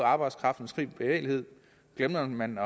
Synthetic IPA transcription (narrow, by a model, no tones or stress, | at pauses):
ɑ̈ːb̥ɑ̈ɪd̥skʰʁɑ̈fd̥n̩skʰʁḭːbb̥e̝ʋḛːlihe̝ð̞̰ˠ | ɡ̥lemɐmænɒ̽